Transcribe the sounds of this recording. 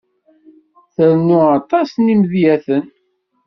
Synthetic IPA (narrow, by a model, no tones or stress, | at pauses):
θəɾnʊɑt̪ˤɑsnimðjæθən